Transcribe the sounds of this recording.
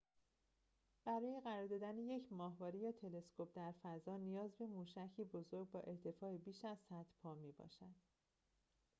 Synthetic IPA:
b̥æɾɒːje̞ɣæɾɒːɾd̪ɒːd̪æneje̞cʰmɒːɦvɒːɾijɒːt̪ʰe̞le̞skʰo̞p̚d̪æɾfæzɒːnijɒːzbe̞muːʃæcʰiːbo̞zo̞ɾɡ̚bɒːʔe̞ɾt̪ʰe̞fɒːebiːʃæzsæt̪pʰɒːmiːbɒ̰ːʃæd̪̥

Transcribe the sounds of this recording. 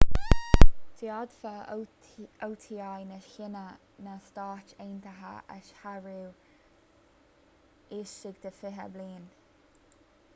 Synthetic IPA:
dʰjɑd̪fə | owt̪ʰiajnəʃhɪnə | nəst̪ɑːt͡ʃeːnt̪əɦa̰a̰ʃhaɹuw | ɪʃɪɡd̪̥əfɪɦə̰bliːn

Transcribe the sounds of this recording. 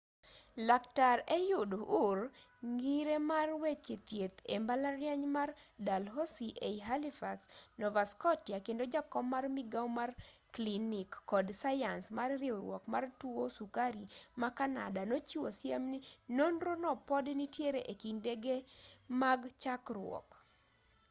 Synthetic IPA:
laktaɾejʊdoʔʊrŋɡiɾemarwet͡ʃet̪jet̪embalaɾjaɲmardalɦosiʔeiɦalifaksnɔvaskɔtjakendod͡ʒakɔmːarmiɡawmarklinikːɔdsajansmarɾɪɔɾwɔ̰kmartuosukaɾimakana̰danot͡ʃiwosja̰mninonɾonɔpɔdnitjeɾeʔekindeɡemaɡt͡ʃakɾwɔ̰k

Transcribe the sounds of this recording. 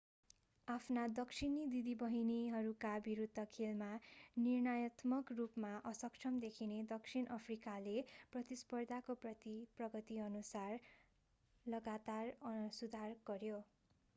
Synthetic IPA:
apʰnad̪ʌksʰinid̪id̪ibʌɦiniɦʌɾukabiɾud̪ʱːʌkʰelmanirnajʌt̪mʌkrupmaʔʌsʌkt͡ʃʰʌmd̪ekʰined̪ʌksʰinʔʌpʰrikaleprʌt̪ispʌrd̪ʱakoprʌt̪iprʌɡʌt̪iʌnusar | lʌɡat̪arʌsud̪ʱarɡ̥ʌɾjo

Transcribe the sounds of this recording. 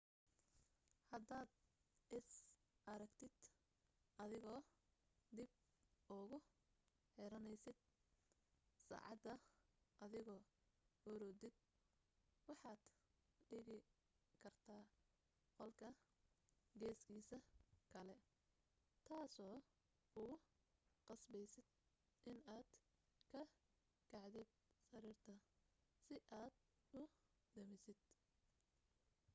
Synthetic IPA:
hɐd̪aːd̪ɪs | ʔɐɾɐɡt̪ʰɪd̪̥ | ɐðɪɣɔː | d̪ɪb̚ | ʊɣʊ | ħɛɾɐnɛjsɪd̪̥̚ | sa̰ːʕɑ̰d̪ɐʔɐðɪɣɔː | ɔɾɔːd̪ɪd̪̚ | wɑħɑːd̪̥ɖɪɣɪ | kʰɐrt̪ʰaː | qɔlkʰɐ | ɡɛːskʰiːsɐkʰɐlɛ | t̪ʰaːsɔː | ʊɣʊ | qɑsbɛjsɪd̪̚ | ʔɪnaːd̪̥ | kʰɐ | kʰɑʕd̪ɪd̪̚sɐɾiːrt̪ʰɐ | sɪʔaːd̪ | ʊ | d̪ɐmɪsɪd̪̥

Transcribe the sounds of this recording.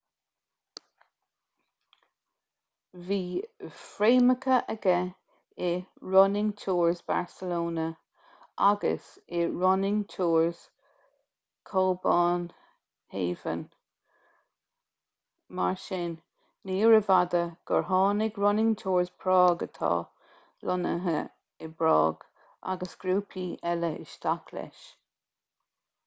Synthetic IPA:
viːfɹeːməkʰəʔəɡɛ | ɪɹɔnɪŋt͡ʃʰuːɹzba̰ɹsəloːnə | ʔaɡə̰sɪɹɔnɪŋtʰuːɹz̥ | kʰɔlbɑːn | heːvə̰n | maɹʃɪnː | iːɹəvad̪əɡ̥əɹɦɑːnɪɡɹɔnɪŋtʰuːɹzpʰɹɔːɡət̪ʰɑ̰ː | lɔnə̰ɦə | ɪbɹɔ̰ːɡ̥ | ʔa̰ɡəsɡ̥ɾuːpʰiːʔɛləʔɪ̰ʃt̪akʰlɛ̰ʃ

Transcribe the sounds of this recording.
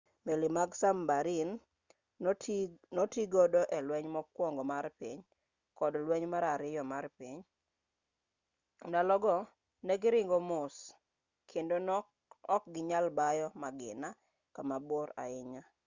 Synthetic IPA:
melimaɡsambaɾin | nɔtiɡɔdɔʔɛlwɛɲmɔkwɔŋɡɔmaɾpiɲ | kɔdlwɛɲmaɾaɾɪjɔmarpiɲ | nalɔɡɔ | nɛɡɪɾɪŋɡɔmʊs | kʰendon | ɔk̚ɡɪɲalbajɔmaɡɪ̰na | kamaboɾa̰ɪɲa

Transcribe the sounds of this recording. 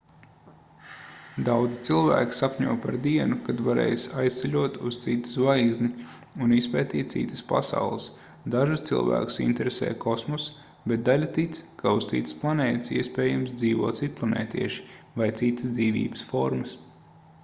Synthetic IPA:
d̪awd̪zit̪silˠvæ̰ːkʲi̥sapʲɲuːpaɾd̪iɛnukad̪vaɾɛ̰ːjsajst̪sɛʎʲuɔt̪ust̪sit̪u̥svajzni | unispɛːt̪iːt̪t̪sḭt̪ə̥spa̰sa̰wlˠəs | d̪aʒust̪sḭlˠvæ̰ːku̥sḭnt̪ɛɾesɛ̰ːjkʰɔsmɔs | bet̪̚d̪alʲat̪it̪skʰaust̪sḭt̪ːə̥splˠanɛːt̪siɛspɛːjamsd̪ziːvuɔːt̪sit̪̚plˠanɛ̰ːt̪iɛʃi̥ | vajt̪sit̪ːə̥sd̪ziːvʲḭːbəsfɔɾmɐs

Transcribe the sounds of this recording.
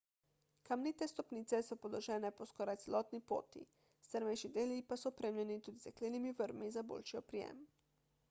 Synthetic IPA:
kamnit̪ɛst̪ɔpniːt̪sɛsɔpɔlɔʒɛːnɛpɔskɔːɾajt̪sɛlɔːt̪nipo̰ːt̪ḭ | st̪əɾmɛjʃid̪eːljipasɔɔpɾeːmljɛnit̪ud̪izɛkleːnimiʋəɾmizabo̰ːlʃiɔpɾijɛ̰m

